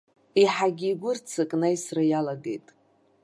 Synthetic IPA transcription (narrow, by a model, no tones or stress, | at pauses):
iħaɡʲiːɡʷʊrt͡sʰɨkʼnajsrɨjalaɡe̞jtʼ